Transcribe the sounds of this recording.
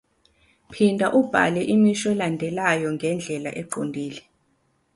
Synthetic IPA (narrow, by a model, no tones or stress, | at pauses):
pʰindʱaʔub̥ʱa̰lɛʔimiʃɛlandʱɛlajɔŋɡʱɛnd͡ɮʱɛlaʔɛǃondʱiːlɛ